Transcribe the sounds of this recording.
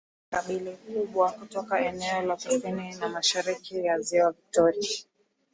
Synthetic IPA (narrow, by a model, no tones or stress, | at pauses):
kaɓilikuɓwakutɔkaɛnɛɔlakusininamaʃaɾikijaziwavik̚tɔɾia